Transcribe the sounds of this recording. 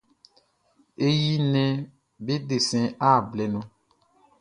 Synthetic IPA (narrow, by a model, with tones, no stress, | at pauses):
e˦ji˦nɛ̃˦ | be˦ɖe˨sɛ̃˨a˦˨blɛ˨nɔ̃˨